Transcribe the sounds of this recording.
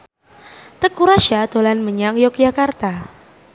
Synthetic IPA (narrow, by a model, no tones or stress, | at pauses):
t̪əkuɾaʃad̪̥o̤lanməɲaŋjɔk̚d͡ʒakart̪a